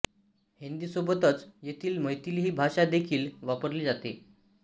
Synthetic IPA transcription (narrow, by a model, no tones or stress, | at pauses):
hind̪iːsobət̪ət͡sjet̪ʰiːlməjt̪iːlɦiːbʱaɕad̪ekʰiːlʋapəɾliːd͡zat̪e